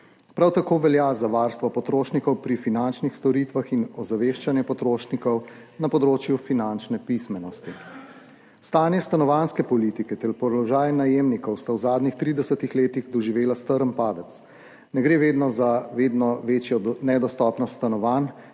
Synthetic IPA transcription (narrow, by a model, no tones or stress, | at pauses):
pɾawt̪akoːʋɛljazaʋaːɾst̪ʋɔpɔt̪ɾoːʃnikɔwpɾifinant͡ʃnixst̪ɔɾit̪ʋaxinɔzaʋeːʃt͡ʃanjɛpɔt̪ɾoːʃnikɔw | napɔd̪ɾoːt͡ʃjufinant͡ʃnɛpismɛnɔst̪i | st̪aːnjɛst̪anɔʋanskɛpɔliːt̪ikɛt̪ɛɾpɔlɔʒaːjnajemnikɔwst̪awzaːd̪nixt̪ɾiːd̪ɛsət̪ixleːt̪iɣd̪ɔʒiʋeːlast̪əɾənpaːd̪ət̪s | nɛɡɾeːʋeːd̪nɔzaʋeːd̪nɔʋeːt͡ʃjɔnɛd̪ɔst̪ɔːpnɔsst̪anɔʋan